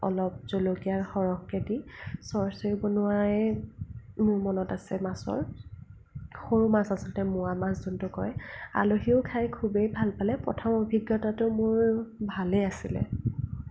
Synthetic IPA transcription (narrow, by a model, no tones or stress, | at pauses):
ɔ̰lɔp̚zolokiaɹxɔɹɔkketisɔɹsɔɹibɔnʊaj | mʊɹmɔnɔtasɛmasɔ̰ɹ | xoɹumasasɔltɛmʊwamaszɔntʊkɔja̰loɦiʊkʰajkʰubejbʱalpalɛpɹɔ̰tʰɔmobʱiɡjɔtatʊmʊɹbʱalɛasilɛ̰